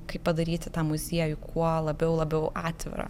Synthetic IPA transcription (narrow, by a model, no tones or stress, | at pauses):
kɐɪppɐd̪ɐɾʲiːt̪ʲɪt̪ɑːmʊzʲiɛjʊkʰuɔlˠɐbʲɛʊlˠɐbʲɛʊʔɑːt̪ʲʋʲɪ̰ɾɐ̰